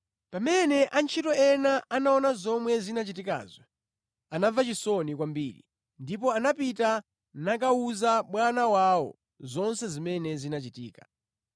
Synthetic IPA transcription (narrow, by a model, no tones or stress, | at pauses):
pamɛnɛʔant͡ʃʰitɔɛnaanaɔnazɔmwɛzinat͡ʃitika̰ːzjɔ | anavat͡ʃisɔnikwambḭːɾḭ | ndip̬ɔanapita | nak̬auzaɓwanawawɔ̰ | zɔnsɛzimɛnɛzinat͡ʃitiːkḁ